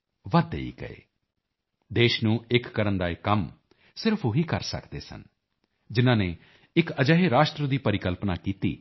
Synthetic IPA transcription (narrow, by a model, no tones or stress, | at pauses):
ʋəd̪ḛḭːɡə̰ḛː | d̪eːʃnũːɪkːəɾənd̪aːɪkəm | sɪɾəpʰoɦiːkəɾsə̰kd̪ḛːsə̰n | d͡ʒɪnãːneː | ɪkəd͡ʒəɦeɾaːʃt̪ɾəd̪iːpəɾɪkəlpnaːkiːt̪ḭː